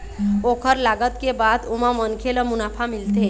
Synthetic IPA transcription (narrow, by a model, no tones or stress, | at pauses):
okʰəɾlaɡət̪kebad̪omamənkʰeləmunapʰamilt̪e